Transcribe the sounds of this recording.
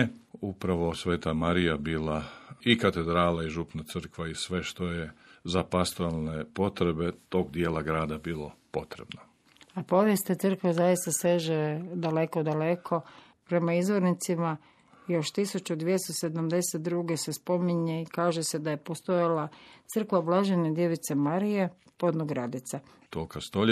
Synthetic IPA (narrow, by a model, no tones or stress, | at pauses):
upɾaʋo̞sʋeːt̪amaɾijabiːlaikat̪ed̪ɾaːlaiʒupnat̪sɨr̩kʋaisʋe̞ʃt̪o̞jezapast̪oalˠnepo̞t̪ɾe̞be̞t̪o̞ɡd̪jeːlˠaɡɾaːd̪abiːlo̞po̞t̪ɾḛbno | apo̞ʋje̞st̪at̪sɨr̩kʋezajist̪ase̞ʒed̪ale̞ko̞d̪alekʰo̞ | pɾe̞maizʋo̞ɾnit̪sima | ijo̞ʃt̪isut͡ʃud̪ʋjest̪ose̞d̪amd̪e̞set̪̚d̪ɾuɡe̞sespo̞miɲeikaːʒese̞d̪aje̞post̪o̞jalat̪sɨr̩kʋablˠaʒened̪je̞ʋit̪semaɾije̞ | po̞d̪noɡɾad̪it̪sa | t̪okast̪oʎ